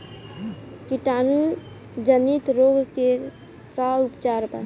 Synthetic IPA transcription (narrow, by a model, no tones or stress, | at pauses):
kiʈaːnu | d͡ʒənit̪ɾoːɡke | kaupt͡ʃaːɾpə̰